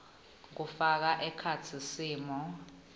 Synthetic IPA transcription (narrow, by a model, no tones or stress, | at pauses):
k̬ufak̬aʔɛkʰat͡sʰisiːmɔ